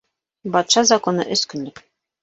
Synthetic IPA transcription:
bɑt̪ʃɑzɑkonɤ̰ʔɵ̆skɵ̆nlɘk

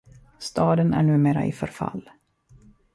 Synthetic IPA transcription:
st̪ɑːd̪ənæ̰ɳʉ̟ːmeːɾaʔɪ̰fœɾfa̰lː

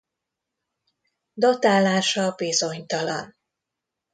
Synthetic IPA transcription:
d̪ot̪aːlːaːʃɒbizo̞ɲt̪ɒlɒ̰n

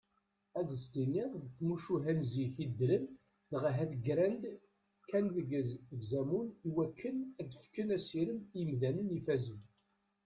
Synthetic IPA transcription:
æðəst̪inːiʁðθmuʃuɦænziçid̪ːləmnəʁɦæd̪ɡɾænd̪ | kʰːænðɡzɡzæmuniwækʰːənæd̪əfkənæsiɾəmjəmðænənifæzən

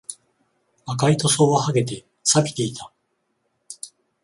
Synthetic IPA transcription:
akait̪o̞so̞ːβaɦaɡe̞t̪̬e̞ | sapʲi̥t̪e̞it̪ʰḁ

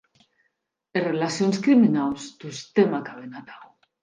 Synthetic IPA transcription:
erelasionskɾiminawsd̪ust̪emakaβenat̪aɣo

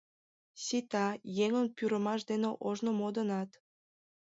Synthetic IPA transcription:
sit̪ɑjeŋənpyɾəmɑʃd̪eneʔoʒnomod̪ənɑt̪

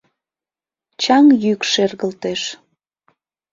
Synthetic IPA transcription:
t͡ɕɑŋjykʃerɣəlt̪eʃ

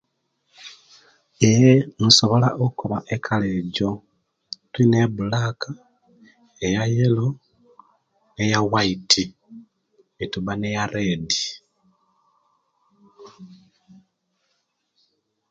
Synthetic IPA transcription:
ejemuso̞βo̞laʔokukuβaʔekʰaleɟo̞ | twineβulaka | ejajelo | ne̞jawaitʰi | etuβanejaɾeːdi

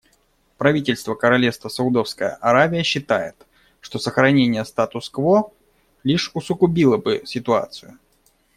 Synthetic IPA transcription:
pɾɐvʲitʲɪlʲst̪vəkəɾɐlʲest̪vəsəʊd̪o̞fskəjə̰ʔɐɾavʲɪjəɕːɪt̪ajɪ̰t̪ | ʂt̪o̞səxɾɐnʲenʲɪjəst̪at̪ʊskvo | lʲiʂʊsʊɡʊbʲilˠəbɨsʲɪt̪ʊa̰t̪sɨjʊ

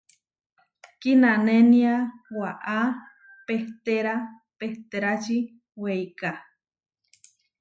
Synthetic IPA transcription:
kinãnẽnĩawaʔa | peht̪eɾa | peht̪eɾat͡ʃi | wejka

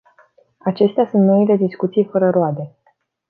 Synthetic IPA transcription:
at͡ʃe̞st̪easunt̪no̞ile̞d̪iskut̪sijfəɾəɾoad̪e̞

